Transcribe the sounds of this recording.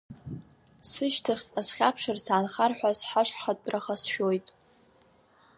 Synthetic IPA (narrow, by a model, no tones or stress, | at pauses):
sɨʃtʰɨχʲasχʲapʰʂɨrsaːnχarħʷasħaʂħχatʼbrʔaχasʃᶣojtʼ